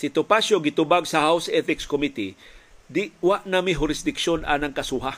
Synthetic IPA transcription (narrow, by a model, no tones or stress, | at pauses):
sɪt̪opaʃoɡɪt̪ʊbaɡsɐhawsɛt̪ɪkskomit̪id̪ɪwaʔnamɪɦʊɾɪsd̪ɪkʃona̰nɐŋkɐsuɦa